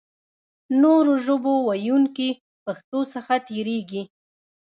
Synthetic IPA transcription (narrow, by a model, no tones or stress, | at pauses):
noɾoʒəbowajuŋki | paxt̪osəxat̪eɾeɡi